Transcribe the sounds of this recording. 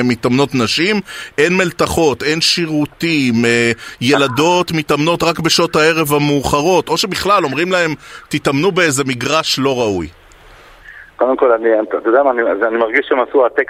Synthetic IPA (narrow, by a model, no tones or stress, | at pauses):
mːit̪amno̞t̪naʃimʔe̞nmelt̪aχo̞t̪e̞nʃiʁut̪imje̞lado̞t̪mit̪amno̞tʁakbeʃo̞t̪hae̞ʁe̞vamuːχaʁo̞t̪ʔo̞ʃe̞biχlalo̞mʁimlae̞mt̪it̪amnubeejze̞miɡʁaʃlo̞ʁauj | kod̪emko̞laniaat̪odeamaːnizanimaʁɡiʃeemasuat̪ek